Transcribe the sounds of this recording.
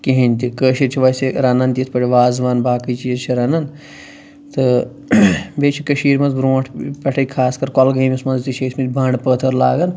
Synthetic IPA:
kiɦinʲt̪ikəːʃiɾt͡ʃʰiʋɐseɾɐnɐnt̪it̪ʰpɐʈʰʲiʋaːzʋaːnbaːkit͡ʃijɾt͡ʃʰiɾɐnɐn | t̪ɨ | bet͡ʃʰikəʃiːɾmɐnzbɾoːʈʰpɐʈʰɐkʰaːskɐɾkɔlɡɐːmʲismɐnzt̪it͡ʃʰeːsʰmit̪ʲbʱɐːɳɖpəːt̪ʰɐɾla̰ːɡɐn

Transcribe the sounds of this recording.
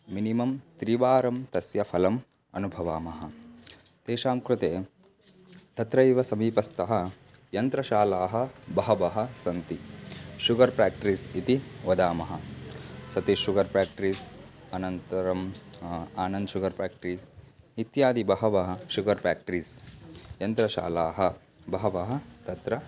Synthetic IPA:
minimɐmt̪ɾiʋaːɾɐmt̪ɐsjɐpʰɐlɐm | ɐ̰nubʱɐʋaːmɐɦɐ | t̪eːʃaːmkɾut̪eː | t̪ɐt̪ɾɐjʋɐsɐmiːpɐst̪ɐɦɐ̆ | jɐnt̪ɾɐʃaːlaːɦɐ̆bɐɦɐʋɐɦɐ̆sɐnt̪iʃuɡɐɾpɾaːk̚ʈɾisit̪iʋɐd̪aːmɐɦɐsɐt̪iʃuɡɐɾpɾaːk̚ʈɾiːs | ɐnɐnt̪ɐɾɐm | aːnɐnd̪ʃuɡɐɾpɾaːkʈɾiːs | it̪jaːd̪ibɐɦɐʋɐɦɐ̆ʃuɡɐɾpɾaːk̚ʈɾiːsjɐnt̪ɾɐʃa̰ːlaːɦɐ | bɐɦɐʋɐɦɐ̆t̪ɐt̪ɾɐ

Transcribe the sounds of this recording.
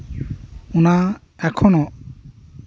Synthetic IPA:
una | ɛkʰɔnɔʔ

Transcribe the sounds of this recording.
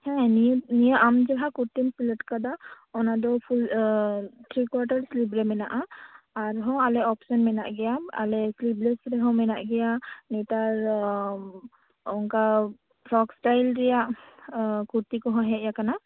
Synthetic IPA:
hɛ̃ninijəʔamd͡ʒɛɦakuɹt̪insiləʈkad̪a | ɔnad̪ɔpʰul | t̪ʰɾikwaʈaɹslip̬ɾɛmɛnaʔaː | ɹɦɔ̃walɛɔpsɔnmɛnaʔɡɛjaa̰lɛsliplɛsɾɛɦɔ̃wmɛnaʔɡɛjanɛtaɹ | ɔŋka | pʰɔksʈajlɾɛjaʔ | kuɹt̪ikɔɦɔ̃ɦɛʔjakana

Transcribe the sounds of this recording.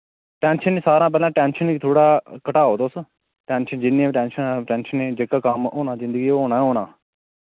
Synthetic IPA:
ʈɛːnʃənːeːsaːɾãːp̬ɛːlãːʈɛːnʃəniːt̪ʰoːɽaːkəʈaːoːt̪os | ʈɛːnʃənd͡ʒɪnːĩãːʈɛ̃ːnʃənːʈɛ̃ːnʃəneːd͡ʒəkaːkəmoːnãːzɪ̃nd̪əɡiːɦoːnãːɦoːnãː

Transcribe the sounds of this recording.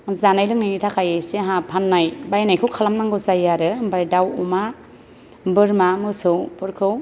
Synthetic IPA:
zanajlɯŋnajnitʰakʰajeseɦapʰanːajbajnajkʰɯwkʰalamnaŋɡɯzajaɾɯbajdawuma | bɯɾmamɯsɯwpʰɯɾkʰɯw

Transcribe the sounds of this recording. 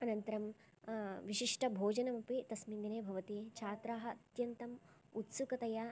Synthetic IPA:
ɐnɐnt̪ɐɾɐm | ʋiʃiʂʈɐbʱoːd͡ʒɐnɐmɐpit̪ɐsmind̪ineːbʱɐʋɐt̪it͡ʃʰaːt̪ɾaːɦɐ̆ɐt̪jɐnt̪ɐm | ut̪sukɐt̪ɐja

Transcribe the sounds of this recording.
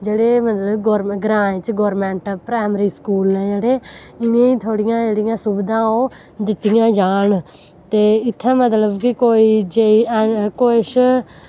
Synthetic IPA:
d͡ʒeːɽeːmət̪ləbɡoːɾɡɾãːt͡ʃɡoːɾmɛ̃ːɳʈəpɾɛːmɾiːskuːlɛ̃ːd͡ʒeːɽeː | ɪnẽːĩːt̪ʰoːɽɪjãːd͡ʒeːɽɪjãːsʊbd̪ãːõː | d̪ɪt̪ːijãːd͡ʒaːɳ | t̪eːɪt̪ʰːãːmət̪ləbkɪkoːiːd͡ʒekoːɪʃ

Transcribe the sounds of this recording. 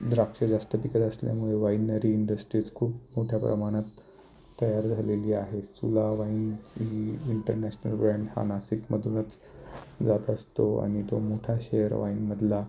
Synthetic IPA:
d̪ɾakʂəd͡zast̪əpikət̪əslja̰muɭeʋainːəɾiːɳɖəsʈɾit͡skʰuːpmoʈʰjapɾə̰maɽ̃at̪ː | əjaɾd͡zʱaleliːaɦesulaʋainɦiːɳʈəɾnæɕnə̰lbɾãɳɖha̰nasikməd̪ʱunət͡s | d͡zat̪əst̪oa̰ɽ̃it̪omoʈʰaɕejəɾʋa̰inməd̪ʱla

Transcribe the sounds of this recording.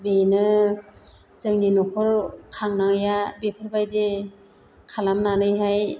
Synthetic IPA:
benɯ | zɯŋninɔkʰɔɾkʰaŋnaŋjabepʰɯɾbajde | kʰalamnanɯjɦaj

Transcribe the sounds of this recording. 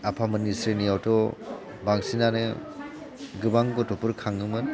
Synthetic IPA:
apʰamɯnisɾinijawtɔ | baŋsinanɯ | ɡɯbaŋɡɔtɔpɯɾkʰaŋɯmɯn

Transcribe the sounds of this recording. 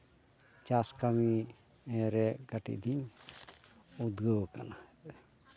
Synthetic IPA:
t͡ʃaskami | ɛɾɛɡaʈḭʔd̪iɲ | ud̪ɡəwkanahɛ

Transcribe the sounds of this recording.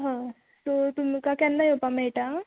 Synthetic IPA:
ɦã | sot̪umkakɛ̃nd̪ajopameʈa

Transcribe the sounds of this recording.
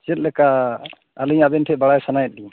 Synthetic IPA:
t͡ʃɛt̪̚lɛka | aliɲabɛnʈʰɛbaɽajsanajɛt̪̚di

